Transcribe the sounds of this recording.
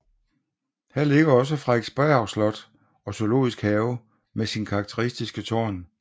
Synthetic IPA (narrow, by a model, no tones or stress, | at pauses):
hæɐ̰le̝ɡ̥ɐɒ̽s̬əfʁɑ̈e̝d̥sb̥æɑ̈ʊslɒ̽d̥ | ɒ̽sʰø̝lo̝̰ːisɡ̥hɛːʊ | mesinkʰɑ̈ɡ̥̚t͡sʰəʁisd̥isɡ̥ət͡sʰɒ̰ːn